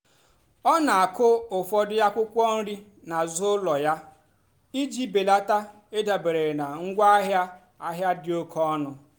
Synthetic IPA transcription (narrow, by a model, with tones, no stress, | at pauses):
ɔ˦na˨a˨kʊ˦ʊ˨fɔ˦dʊ˦ja˦kʷʊ˦kʷɔ˦n̩˦ɾi˦ | na˨zo˦lɔ˨ja˦ | i˦d͡ʒi˦be˨la˦ta˦ | e˦da˨be˨ɾe˨ɾna˨ŋ̩˦ɡʷa˦a˦ɦja˦ | a˦ɦja˦dɪ˦o˦kʰɔ˦nʊ˨